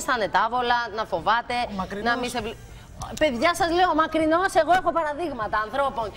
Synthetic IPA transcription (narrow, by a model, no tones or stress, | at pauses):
st̪ɐne̞t̪ɐvo̞lɐnɐfo̞vɐt̪e̞nɐmisevl | pe̞ðʝɐsɐzleomɐkɾino̞se̞ɣo̞e̞xo̞pɐɾɐðiɣmɐt̪ɐːnθɾo̞po̞n